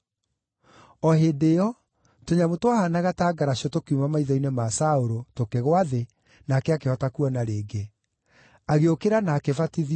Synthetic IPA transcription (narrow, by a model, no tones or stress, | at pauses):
ɔɦedeɔ | toɲamotwahanaɣataːɡaɾaɕiɔtokeumamaiðɔinemasaoɾotokeɣwaðe | naːkɛakehɔtakuɔnaɾeːɡe | aɣeokeɾanaːkevatiði